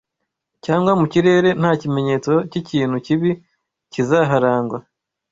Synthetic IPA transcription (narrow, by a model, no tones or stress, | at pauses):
caːŋɡwamuciɾe̞ːɾe̞n̥haːcime̞ɲe̞ːt͡so̞ciciːn̥huciβi | cizaɦaɾaːŋɡwa